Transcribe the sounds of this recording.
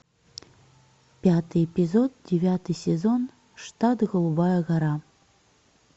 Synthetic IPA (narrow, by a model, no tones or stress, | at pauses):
pʲat̪ɨjepʲizod̪̚dʲevʲat̪ɨsʲezon | ʂt̪at̪ɣolˠubɑjəɣaɾɑ